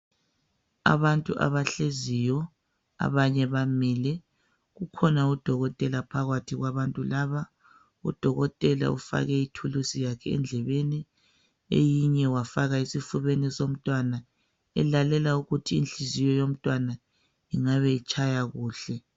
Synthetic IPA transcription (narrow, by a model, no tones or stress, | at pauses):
a̰βantʼuʔa̰βaɬezijɔ | a̰βaɲɛβamɛːlɛ | ɣukʰɔnaud̥ʱɔɣɔtʼɛlapʰaɣatʰiɣwaβantʼulaːβa | ṵd̥ʱɔɣɔtʼɛla̰ṵfa̰ɣɛitʰulusijakʰɛɛ̰nd͡ɮʱɛβeni | ḛjiɲɛwafaɣaisifuβenisom̩tʼwana | ɛ̰lalɛlauɣutʰḭːnɬizijɔjom̩tʼwana | iŋaβɛit͡ʃʼʰajaɣuːɬɛ